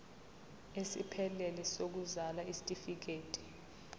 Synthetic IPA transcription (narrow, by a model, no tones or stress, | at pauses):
esḭpʰɛlɛlɛsok̬uzalaisi̥tʼifik̬eːtʼi̥